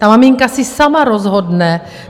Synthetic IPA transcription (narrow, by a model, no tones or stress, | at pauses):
t̪amamiŋkasisamaɾozɦodnɛ